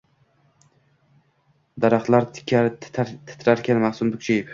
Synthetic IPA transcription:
d̪aɾaχt̪lˠaɾt̪ʰɪ̥kʲʰːat̪ʰɪ̥t̪ʰɾaɾkʲʰanmaχsʊnbʊkʲt͡ʃʰajɪp

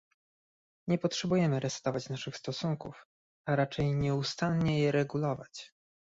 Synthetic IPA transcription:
ɲɛpɔtʂɛbujɛmɘɾɛst̪ɔvat͡ɕnaʂɘxst̪ɔsuŋkuf | aɾat͡ʂɛjɲɛust̪anɲɛjɛɾɛɡulɔva̰t͡ɕ

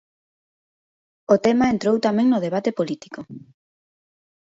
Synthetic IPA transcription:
ot̪ɛmaent̪ɾowt̪amẽŋnʊð̞eβ̞at̪epolit̪i̥ko

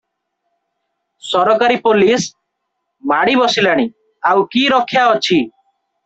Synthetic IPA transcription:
sɔɾɔkaɾipolis | maɽ̃ibɔsilaɽ̃i | awkiɾɔkʰːjaɔt͡ʃʰi

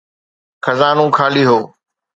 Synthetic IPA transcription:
xʰəzaːnũːkʰaːliːɦoː

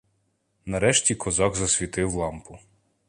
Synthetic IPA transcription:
nɐɾɛʃtʲikɔzɑɡzɐsʲʋʲit̪ɪwlˠɑmpʊ

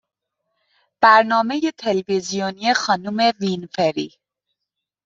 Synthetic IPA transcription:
b̥æɾnɒːme̞jet̪ʰelvizijoniexɒːnuːme̞vinfeɾiː

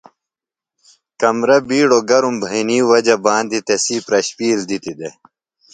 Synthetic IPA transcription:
kɐmɾɐbiːɽoɡɐɾumbʱɐiniːwɐd͡ʑɐbaːnd̪it̪esiːpɾɐɕpiːld̪it̪id̪e

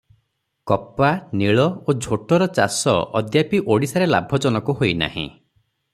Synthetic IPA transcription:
kɔpaniɭɔod͡ʒʱoʈɔɾɔt͡ʃa̰sɔ̰ʔɔ̰d̪japiʔoɽisaɾela̰bʱɔd͡ʒɔnɔkuɦojna̰hḭ̃

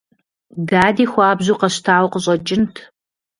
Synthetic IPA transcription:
daːdiːxʷɑːbzuːqɐɕtʰaːwqəɕ̬ʼɐd͡ʒʼɪntʰ

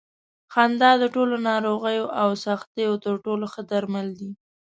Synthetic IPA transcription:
xand̪ɑd̪əʈolonɑɾoɣəjoʔawsaxt̪ejot̪əɾʈoloxəd̪aɾmald̪i

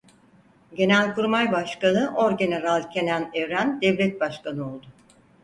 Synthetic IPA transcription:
ɟe̞nælʲkuɾmajbaʃkanɯʔoɾɟʲe̞neɾalʲˠcʰe̞nænɛvɾænd̪ɛvlʲɛt̪̚baʃkanɯo̞lˠd̪ʊ

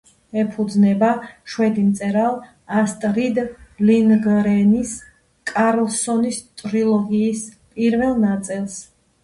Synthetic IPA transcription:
ɛpʰud̪znɛbaʃwɛd̪imt̪sʼɛɾalˠ | ast̪ʼɾid̪linɡɾɛnis | kʼaɾlˠsɔnist̪ʼɾilˠɔɡiːs | pʼiɾvɛlˠnat̪sʼilˠs

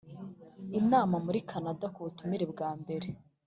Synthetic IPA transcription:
inaːmamuɾikʰanadakuβutumiɾebɡaːmbe̞ɾe

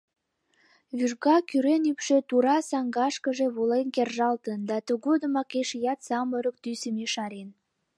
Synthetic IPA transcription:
βyʒɣɑkyɾenypʃet̪uɾɑsɑŋɡɑʃkəʒeβulenkerʒɑlt̪ənd̪ɑt̪əɣod̪əmɑkeʃjɑt̪sɑməɾək̚t̪ysəmeʃɑɾen

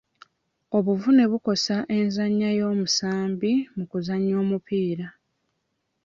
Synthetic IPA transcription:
o̞βuvune̞βuko̞saʔe̞nzaɲːajo̞ːmusaːmbimukuzaɲːo̞ːmupiːɾa

